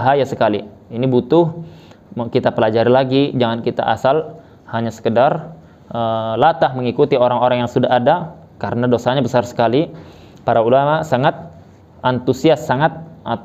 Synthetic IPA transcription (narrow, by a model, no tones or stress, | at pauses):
ɦajasəkali | inibut̪ʊh | kit̪apəlad͡ʒaɾilaɡid͡ʒaŋankit̪a̰ʔa̰sal | haɲasə̥kədar | əlat̪ahməŋikut̪ioɾaŋoɾaŋjaŋsudaɦada | kaɾənadosaɲabəsarsə̥kali | paɾaulamasaŋat̪̚ | ʔant̪usiasːaŋat̪̚a